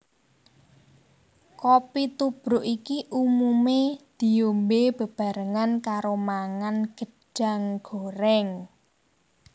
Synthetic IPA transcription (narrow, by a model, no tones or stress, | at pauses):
kopit̪ub̥ɾʊʔikiʔumumed̪̥i̤ombeb̥ə̤b̥a̤ɾəŋankaɾomaŋanɡ̥ə̤̥ | ʒ̥ä̤ŋɡ̥o̤ɾɛŋ